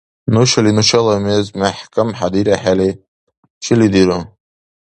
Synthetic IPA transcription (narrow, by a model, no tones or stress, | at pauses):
nuʃalinuʃalamezmaħkʰʼamħad̪iɾaħale | ʃɪlid̪iɾo